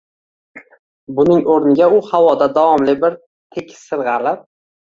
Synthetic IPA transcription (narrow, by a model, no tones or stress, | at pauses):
bʊnɪŋoɾnɪɡʲaʊhawɒd̪ad̪awɒmlɪbɪɾ | t̪ʰekʲʰɪ̥sɪɾʁɑlɪp̚